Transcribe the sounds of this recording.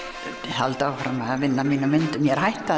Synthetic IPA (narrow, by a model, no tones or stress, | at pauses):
halt̪awfɾamːaavɪnːaminːamɪnt̪ʏmjɛɾ̥hajht̪ːa